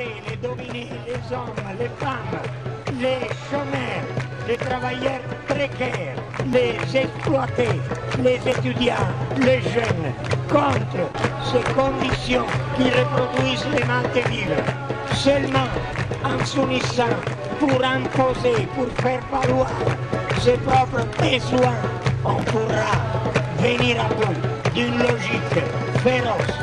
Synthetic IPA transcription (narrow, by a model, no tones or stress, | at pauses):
t̪eled̪ominelezɔmːlefamːlesomɛɾlet̪ɾavajɛrpɾekɛːɾ | lezɛsplwat̪elezet̪yd̪jaleʒɛnkɔnt̪ɾosekond̪isjɔ̃ŋkirepɾod̪uizlemant̪eviːve | sølmããnsunisã | puɾampozepurfɛrpalwaɾsepɾɔpɾəpezuãompuaveniɾavujd̪ynlɔʒikə | feɾɔs